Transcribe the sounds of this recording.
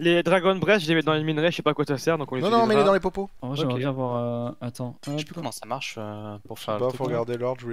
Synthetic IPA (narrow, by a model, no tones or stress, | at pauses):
led̪ʁaɡɔnbʁɛsʒəlemɛt̪̚d̪ɑ̃leminʁeʃɛpakwat̪yasɛʁd̪ɔ̃kɔ̃leñnɔ̃mɛled̪ɑ̃lepopomaʒɛjɛ̃vwaʁøat̪ɑ̃ʃepykɔmɑ̃samaʁʃøpuʁsfɛʁlpafoʁɡaʁd̪elɔʁʒwi